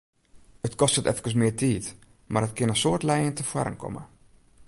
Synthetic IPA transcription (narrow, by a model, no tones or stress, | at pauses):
ətkɔstətɛ̰fkəs̬mɪːrtiːt | marətkɪnəsoːrtlɛjəntəfwa̰ɾə̰nkʰɔ̰mə̰